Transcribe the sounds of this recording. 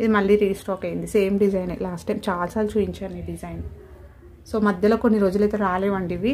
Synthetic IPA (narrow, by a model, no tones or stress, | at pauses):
id̪imɐɭːiːɾiːsʈɾɔːkɐjind̪ise̞ːmɖid͡ʒɐjnɐ̰laːsʈːɐjmt͡ʃaːlɐsaːlut͡ʃuːiɲt͡ʃaːneɖid͡ʒɐjn | so̞ːmɐd̪ʱjɐlo̞ːkonːiɾo̞ːd͡ʒulɐjt̪eːɾaːleːʋɐɳɖiʋi